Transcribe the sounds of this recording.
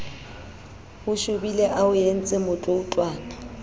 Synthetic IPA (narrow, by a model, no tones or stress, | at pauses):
ʊʃʊbilɛʔaʊjen̩t͡sʼɪmʊtʼoutʼwaːna